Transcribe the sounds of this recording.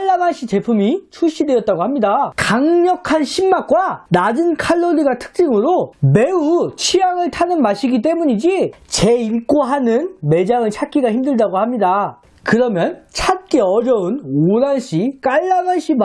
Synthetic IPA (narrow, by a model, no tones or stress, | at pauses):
aɭːamanɕ͈ʰit͡ɕe̞pʰumit͡ɕʰuɕ͈idwejʌt̚t͈aɡohamɲidakaŋɲʌkʰanɕʰimːak̚k͈wanad͡ʑɯnkʰaɭːoɾiɡatʰɯ̥k̚t͡ɕ͈iŋɯɾome̞ut͡ɕʰijaŋɯɭtʰanɯnmaɕʰiɡit͈e̞muɲid͡ʑit͡ɕe̞iɭk͈oɦanɯnme̞d͡ʑaŋɯɭt͡ɕʰak͈ʰiɡaçimdɯɭdaɡoɦhamɲida | kɯɾʌmjʌnt͡ɕʰat̚k͈eʌd͡ʑʌɯnoɾanɕ͈ʰik͈aɭːamanɕ͈ʰib